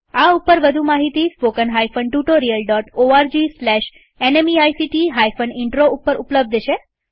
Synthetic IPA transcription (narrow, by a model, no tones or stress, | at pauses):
aupəɾʋəd̪ʱumaɦit̪ispokənɦajfəɳʈuʈoɾijəlɖɔʈoaɾd͡ʑislɛʃ | enemiajsiʈiɦajfəniɳʈɾoupːəɾʔupləb̚d̪ʱʃe